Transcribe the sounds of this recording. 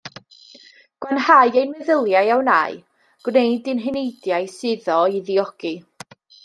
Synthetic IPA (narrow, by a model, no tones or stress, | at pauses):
ɡ̥wanhajejnmɛðəlˠjajawna̰ɨ | ɡ̥wnejdɪnɦɪnejdjaɨsɨðɔiðiɔɡ̥i